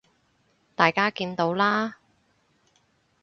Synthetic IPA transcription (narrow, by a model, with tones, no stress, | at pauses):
t̪aː˨˩jkaː˥kiː˧nt̪o˨˥wlaː˥